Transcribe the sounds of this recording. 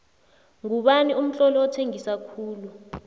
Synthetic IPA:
ŋuɓanium̩ɬɔlɔɔtʰeŋisakʰuːlu

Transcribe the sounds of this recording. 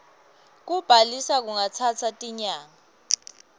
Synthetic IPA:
k̬ub̥ʱalisak̬uŋat͡sʰat͡sʰatʼiɲaːŋa

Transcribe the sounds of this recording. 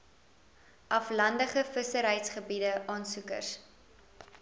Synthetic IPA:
ʔɐflɐndəχəfəsəɾɦɛjtsχəbidəʔɑːnsukə̰rs

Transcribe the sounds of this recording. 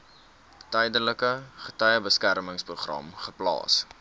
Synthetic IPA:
təjdələkəχətœjəbəskærməŋspruχrɐ̰mχəplɑ̰ːs

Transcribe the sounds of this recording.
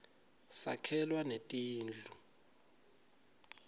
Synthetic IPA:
sa̰kʰɛlwanetʼiːnd͡ɮʱu

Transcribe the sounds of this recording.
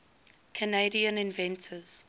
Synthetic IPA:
kʰəneɪɾiə̃nɪ̃nvɛ̃ntʰəz̥

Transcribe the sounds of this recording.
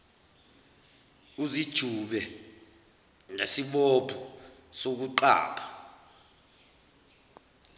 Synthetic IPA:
uzid̥ʒ̥ʱuɓɛ | ŋesiɓob̥ʱusok̬uǃa̰ːpʰa

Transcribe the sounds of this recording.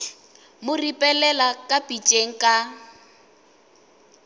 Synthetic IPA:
mʊripʼɛlɛlakʼapʼit͡ʃʼeŋ̩kʼa

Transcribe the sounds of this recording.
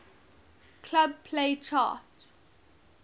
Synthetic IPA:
kʰlab̚pʰleɪt͡ʃa̰ːˑt

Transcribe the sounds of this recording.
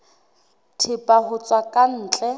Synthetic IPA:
tʰɪpʼahʊt͡sʼwakʼan̩ːt͡ɬʼɛ

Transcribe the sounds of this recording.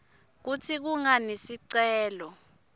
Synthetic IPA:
k̬utʰik̬uŋanesiǀɛːlɔ

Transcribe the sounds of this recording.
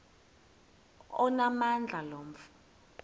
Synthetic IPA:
ɔnamand͡ɮʱalom̩f

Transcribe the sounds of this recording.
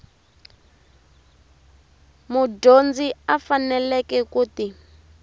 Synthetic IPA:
muɟond͡ziafanɛlɛkɛkuːti

